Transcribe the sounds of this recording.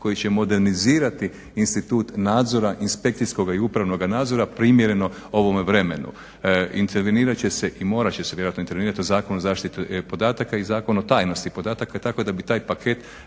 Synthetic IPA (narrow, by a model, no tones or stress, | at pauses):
ko̞jit͡ɕe̞mo̞d̪e̞ɾniziːɾat̪i | inst̪it̪uːt̪naːd̪zo̞ɾaʔinspe̞kt̪sisko̞ɡaiupɾaʋno̞ɡanaːd̪zo̞ɾapɾimjeɾe̞no̞ | o̞ʋo̞meʋɾe̞me̞nṵ | int̪eɾʋeniːɾat͡ɕe̞se̞ʔimo̞ːɾat͡ɕeseʋjeoat̪noint̪eɾʋeiɾat̪iozaːkonozaːʃt̪it̪upo̞d̪aːt̪akaizaːko̞not̪aːjno̞st̪ipo̞d̪aːt̪akat̪ako̞d̪abit̪aːjpakʰe̞t̪